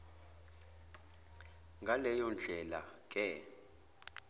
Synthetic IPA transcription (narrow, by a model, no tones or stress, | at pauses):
ŋɡʱalɛjɔnd͡ɮʱɛla̰kʼɛ